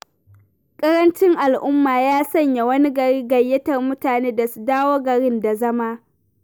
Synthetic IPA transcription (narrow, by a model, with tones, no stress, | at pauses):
kʼɐ˦ɾɐ˦nt͡ʃɪ˦ŋʔa˨lʔʊ˦mːaː˨jaː˦sɐ˦˨ɲja˨wɐ˦ni˦ɡɐ˨ɽiː˦ɡɐ˨jːɐ˦tɐ˨rmʊ˦taː˨neː˦da˨su˨daː˦woː˦ɡɐ˨ɽɪ˦nda˨zɐ˦ma˦